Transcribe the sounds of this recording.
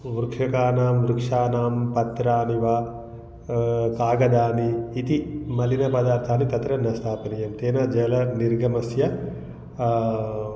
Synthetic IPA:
ʋuɾkʰjɐkaːnaːmʋɾukʂaːnaːmpɐt̪ɾaːniʋa | kaːɡɐd̪aːniːt̪imɐlinɐpɐd̪aːɾt̪ʰaːnit̪ɐt̪ɾɐnɐst̪ʰaːpɐnijɐmt̪eːnɐd͡ʒɐlɐniɾɡɐmɐsjɐ

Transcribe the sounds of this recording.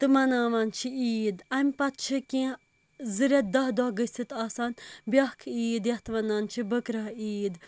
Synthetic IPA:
t̪ɨmɐnaːʋant͡ʃʰiiːd̪ɐmʲpɐt̪̚t͡ʃʰɨkĩ | zɨɾʲɐd̪ɐɦd̪ɔɡəsit̪aːsanbʲjɐhkʰiːd̪jɐht̪ɨʋɐnaːnt͡ʃʰibəkɾɐɦiːd̪

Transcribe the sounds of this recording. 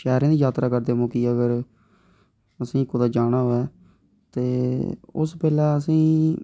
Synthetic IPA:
ʃɛːɾãːd̪iːd͡ʒaːt̪ɾaːkəɾd̪eːmõːkiːəɡəɾ | əsĩːkʊd̪aːd͡ʒaːnaːɦoːɛː | t̪eːʊ̰spɛːlaːəsĩː

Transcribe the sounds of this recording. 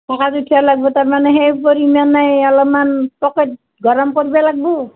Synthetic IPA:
tʰakadutʰialaɡ̚bɔtaɹmanɛɦejpoɾimanajalɔmanpɔket̚ | ɡʱɔɹɔmkoɹibalaɡ̚bɔ

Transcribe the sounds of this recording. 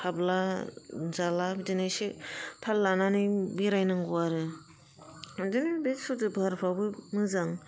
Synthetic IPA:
kʰabla | zalabdinajsepʰalːananɯbiɾajnaŋɡuaɾɯ | adɯnɯbesodɯbʱaɾpʰawbɯmɯzaŋ

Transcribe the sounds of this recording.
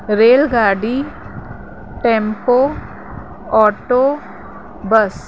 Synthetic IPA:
ɾeːlɡaːɖi | ʈẽːmpoː | ɔːʈoː | bəs

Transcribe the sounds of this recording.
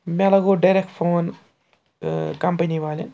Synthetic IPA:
mɛlɐɡoːɖɐjɾek̚ʈfoːn | kɐmpɐniʋaːlɐ̰n

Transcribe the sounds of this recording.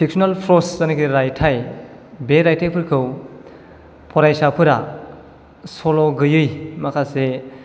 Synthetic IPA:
sik̚sɔnalpʰɾɔszanikʰiɾajtʰaj | beɾajtʰepʰɯɾkʰɯw | pʰɔɾajsapʰɯɾa | soloɡɯjɯjmakʰase

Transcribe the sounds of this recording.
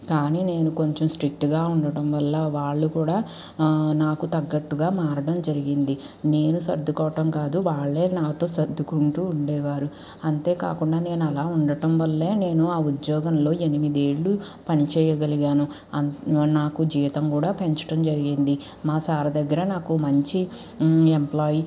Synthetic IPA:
kaːniːne̞ːnuko̞ɲt͡ʃɐmsʈɾik̚ʈɡaːuɳɖɐʈɐmʋɐlːɐʋaːɭːukuːɽaː | naːkut̪ɐɡːɐʈːuɡaːmaːɾɐɖɐmd͡ʒɐɾiɡind̪i | ne̞ːnusɐ̰ɾd̪ːukɔːʋɐʈɐmkaːd̪uʋaːɭːe̞ːnaːt̪o̞ːsɐd̪ʱːukuɳʈuːɳɖɛːʋaːɾu | ɐnt̪e̞ːka̰ːkuɳɖaːne̞ːnuɐlaːuɳɖɐʈɐmʋɐlːeːne̞ːnuaːud̪jɔːɡɐmlo̞ːe̞nimid̪e̞ːɭːu | pɐnit͡ʃɛːjɐɡɐliɡaːnu | ɐnaːkud͡ʒiːit̪ɐmkuːɽaːpeɲt͡ʃɐ̥ʈɐmd͡ʒɐɾiɡind̪i | maːsaːɾɐd̪ɐɡːɐɾɐnaːkumɐɲt͡ʃi | emplaːji

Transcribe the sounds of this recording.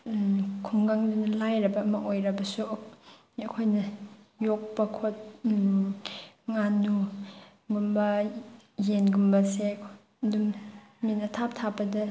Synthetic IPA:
kʰuŋɡaŋdunɐlajɾɐbɐːmɐʔojɾɐbɐsu | ɐkʰojnɐjok̚pɐkʰot̚ | ŋanu | ɡumbɐ | jenɡumbɐsekʰ | ɐdum | minɐtʰap̚tʰabɐdɐ

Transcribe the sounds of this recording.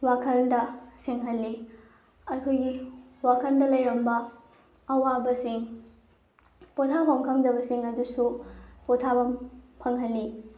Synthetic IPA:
wakʰɐndɐseŋɦɐlːi | ɐkʰojɡi | wakʰɐndɐlɐjɾɐmbɐ | ɐwabɐsiŋ | potʰabɐmkʰɐŋdɐbɐsiŋɐdusupotʰabɐmpʰɐŋɦɐlːi

